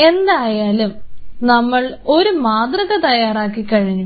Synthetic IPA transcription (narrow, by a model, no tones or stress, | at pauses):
e̞nd̪aːjaːlumnɐmːɐɭ | o̞ɾumaːd̪rɐɣɐt̪ɐjːaːraːkːikːɐɻiɲːu